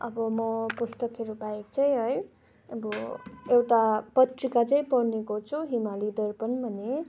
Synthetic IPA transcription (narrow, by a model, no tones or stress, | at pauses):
ʌbʌmʌpust̪ʌkɦeɾubaekt͡sʌj̃ɦʌj | ʌbʌewʈapʌt̪rikat͡saĩpʌɽnekot͡sʰuɦimalid̪ʌrpʌnbʱʌne